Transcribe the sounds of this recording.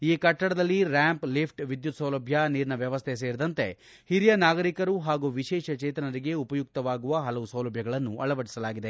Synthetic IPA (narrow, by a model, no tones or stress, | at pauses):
iːkɐʈːɐɽɐd̪ɐlːiɾaːmplipʰʈʋid̪jut̪sɐwlɐbʱjɐniːɾnɐʋjɐʋɐst̪ʰes̬eːɾid̪ɐnt̪e̞̰ | hiɾijɐnaːɡɐɾikɐɾuɦaːɡuʋiʃɛːʃɐt͡ʃeːt̪ɐnɐɾiɡe̞upɐjuk̚t̪ɐʋaːɡuʋɐɦɐlɐʋusɐwlɐbʱjɐɡɐɭɐnːuʔɐɭɐʋɐɽisɐlaːɡid̪e